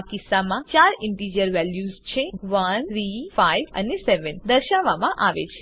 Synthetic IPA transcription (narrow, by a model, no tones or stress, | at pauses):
kɪsːamãt͡ʃaɾɪɳʈid͡ʒiəɾʋɛljuzt͡ʃʰeʋənɾifaiʋə̰neseʋənd̪əɾʃaʋːamãʔaʋḛt͡ʃʰe